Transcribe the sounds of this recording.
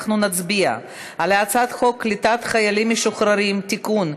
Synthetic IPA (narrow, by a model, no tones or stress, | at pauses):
χnunat͡sbia̰ | aleat͡sat̪χokːlit̪at̪χajalimːeʃuχɾaɾimt̪ikun